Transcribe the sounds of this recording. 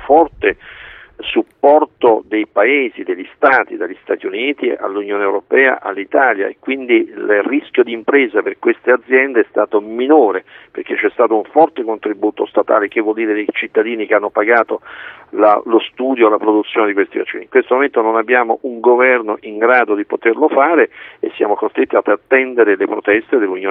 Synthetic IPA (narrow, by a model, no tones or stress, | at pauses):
ufɔrt̪e | supːɔrt̪od̪ejpaeːzid̪eʎːist̪aːt̪id̪aʎːist̪aːt̪iuniːt̪ḭa̰lːunjoːneewɾopɛːa̰ʔa̰lːit̪aːlja̰ekːwind̪ilriskjod̪iːmpɾeːzaperkwest̪ead̪zːjɛnd̪eɛst̪aːt̪ominoːɾeperk̟et͡ʃːɛst̪aːt̪ouɱfɔrt̪ekont̪ɾibuːt̪ost̪at̪a̰ːlek̟evːwɔld̪iːɾed̪ejt͡ʃit̪ːad̪iːnik̟eanːopaɡaːt̪olalost̪uːd̪jolapɾod̪ut̪sːjoːned̪ikwest̪ivat͡ʃːḭːniŋkwest̪omoment̪ononabːjaːmoʔuŋɡovɛrnoʔiŋɡɾaːd̪od̪ipot̪erlofaːɾeḛsːja̰ːmokost̪ɾet̪ːiad̪at̪ːɛnd̪eɾelepɾot̪ɛst̪ed̪elːunjoː